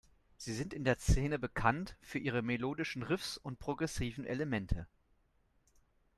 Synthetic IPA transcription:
z̥iːzɪntɪndeːɐst͡seːnəbəkʰantfyːɐʔiːʁ̞əmeloːdɪʃn̩ʁɪfsʊnt̚pʁ̥oɡʁɛsiːvn̩ʔḛləmɛntʰə

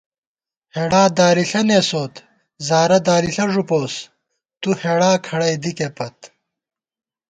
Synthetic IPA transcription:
heːɽaːd̪aːɾiɬɐneːsoːt̪ | zaːɾɐd̪aːɾiɬɐʐupoːs | t̪uheːɽaːkʰɐɽɐjd̪ikepɐt̪

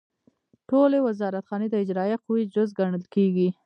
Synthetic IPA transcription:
ʈolewazɑɾat̪xɑned̪əɪd͡ʒɾɑjaquwid͡ʒʊzɡaɳəlkeɡi

